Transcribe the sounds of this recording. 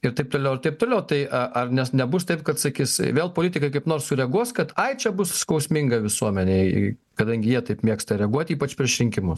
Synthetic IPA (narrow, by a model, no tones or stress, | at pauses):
ɪɾt̪ɐɪp̚t̪oːlʲɛʊɐrt̪ɐɪp̚t̪oːlʲɛʊt̪ɐɪʔɐʔɐrnʲɛsnʲɛbʊst̪ɐɪp̚kɐt̪sɐkʲisʋʲeːlˠpoːlʲiːt̪ʲɪkɐɪkɐɪpnoːrssʊɾʲɛɡuɔskɐt̪ɐɪt͡ʃʲɛbʊsskɐʊsʲmʲɪŋɡɐʋʲɪsuɔmʲɛnʲɛɪ | kɐd̪ɐŋʲɡʲɪjiɛt̪ɐɪpmʲiɛkst̪ɐɾʲɛɡuɔt̪ʲiːpɐt͡ʃʲpʲɾʲɪʃʲɾʲɪŋʲkʲɪmʊs